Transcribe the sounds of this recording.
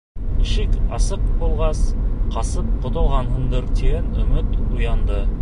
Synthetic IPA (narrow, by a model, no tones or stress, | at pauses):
ʃikɑsɤqbulˠʁɑsqʰɑsɤp̚qŏt̪ŏlˠʁɑnhɤɴd̪ɤɾt̪iɡænɵ̆mɘt̪ujɑnd̪ɤ